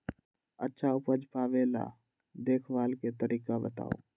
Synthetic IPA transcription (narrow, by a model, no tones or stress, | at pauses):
ə̰tːʃʰaʊpəd͡ʒpaːʋela̰ | d̪eːkʰʋaːlket̪əɾʔiːkabət̪a̰ːo̰ː